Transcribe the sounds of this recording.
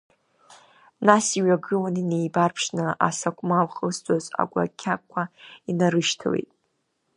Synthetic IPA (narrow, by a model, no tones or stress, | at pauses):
nasiɥaɡɨlaninejbarpʰʂnɨʔa̰sakʷʰʼmawχəstʷʼaza̰ɡʷa̰kʲʰːakʷʰainaɾɨʃtʰa̰wḛjtʼ